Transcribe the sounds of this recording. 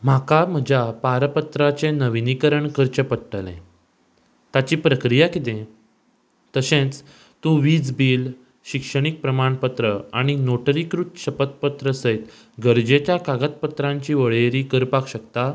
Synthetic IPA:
m̤akam̤əd͡ʑapaɾpət̪ɾat͡senəʋinikəɾəɳkəɾt͡ɕəpəʈːəlḛ̃ | t̪at͡ɕiːpɾəkɾijakit̪ẽ | t̪əsẽt͡s | t̪ũʋiːd͡zbiːl | ɕikʂəɽ̃ik̚pɾəmaɳpət̪ɾəaɽ̃inoʈəɾikɾut̪ɕəpət̪̚pət̪ɾəsəjt̪ | ɡəɾd͡ʑet͡ɕjakaɡət̪̚pət̪ɾãɲt͡ɕiːʋəɭeɾiːkəɾpakɕəkt̪a

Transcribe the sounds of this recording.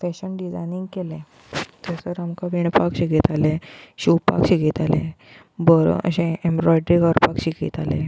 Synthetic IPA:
fɛɕənɖid͡zajnĩŋɡkelɛ̃ | t̪esəɾamkaʋiɳpakɕikit̪aleɕupa̰kɕikit̪alẽ | bəɾ̰ə̰ɕẽembɾɔjɖɾiɡəɾpakɕikḭt̪alḛ̃

